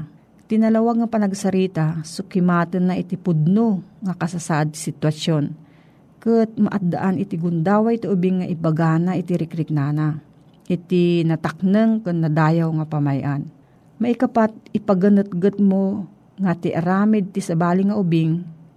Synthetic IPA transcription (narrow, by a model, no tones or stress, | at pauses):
t̪ɪnɐlɐwaɡ̚ŋɐpɐnɐɡsɐɾiːt̪asʊkɪmaːt̪ɨnːaʔɪt̪ipʊd̪̚noŋɐkɐsasaʔad̪̚ssɪt̪wɐsjon | kɨt̪̚mɐ̰ʔat̪̚d̪a̰ʔanɪt̪iɡʊnd̪aːwaʔit̪iʔʊbiŋːaʔɪpɐɡaːnaʔɪt̪iɾɪkɾɪk̚naːna | ʔɪt̪inɐt̪ɐk̚nɨŋkɨt̪nːɐd̪aːjawŋɐpɐmajʔan | mɐʔikɐpat̪̚ɪpɐɡɐnɨt̪̚ɡɨt̪̚mo | ŋat̪ɪʔɐɾaːmɪd̪̚t̪isɐbaːlɪŋɐʔʊbɪŋ